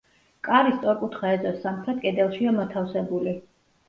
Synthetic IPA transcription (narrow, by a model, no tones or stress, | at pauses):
kʼaɾist̪ʼɔɾkʼut̪ʰχaɛzɔsːamχɾɛt̪̚ʼkʼɛd̪ɛlˠʃiamat̪ʰafsɛbuli